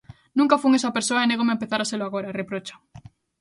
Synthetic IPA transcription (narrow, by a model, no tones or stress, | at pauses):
nũŋkafuŋesapeɾsoaeneɣomempeθaɾaseloaɣ̞oɾarepɾot͡ʃḁ